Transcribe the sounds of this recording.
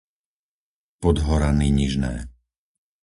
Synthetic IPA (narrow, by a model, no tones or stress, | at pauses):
pɔd̪ɦɔɾaniːɲiʒnɛ̰ː